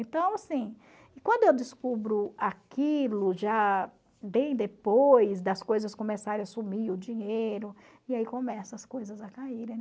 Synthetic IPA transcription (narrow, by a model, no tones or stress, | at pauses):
ẽnt̪ɐ̃w̃asĩ | ɪkwɐ̃nd̪ʊewd̪ɪskubɾʊakilʊʒa | bẽj̃d̪epojzd̪ɐskojzɐskõmesaɾẽɐsumiʊd͡ʒĩɲeejɾʊ | ɪaikõmɛsʊɐskojzɐzɐkaiɾẽ